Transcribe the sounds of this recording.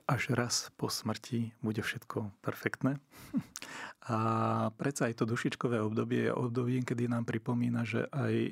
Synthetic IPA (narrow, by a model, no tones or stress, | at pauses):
ʔaʒɾaspɔsmr̩cʰibuɟɛfʃɛt̪kʰɔpɛɾfɛkt̪nɛː | apɾɛt͡saːjt̪ɔd̪uʃit͡ʃkɔʋɛːɔbd̪ɔbɪɛ̰jɛ̰ʔɔb̚d̪ɔbiːŋkɛd̪inaːmpɾipɔmiːnaʒɛ̰ʔaj